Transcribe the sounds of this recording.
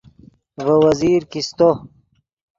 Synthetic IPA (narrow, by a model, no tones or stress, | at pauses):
vəwɐziːɾkist̪o